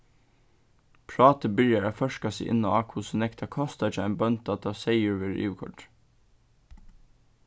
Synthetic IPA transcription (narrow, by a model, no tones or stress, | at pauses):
pʰɹɑːt̪əbʏljɑɾɑfœʃkɑsɛɪʔɪ̰nɔɑːkʰusɔnɛkt̪ʰɑkʰɔst̪ɑɪt͡ʃəæ̰nbœn̚d̪̥ɑːt̪ʰɑseɪʉɹʋɪɾḭːʋkʰɔ̰ʈ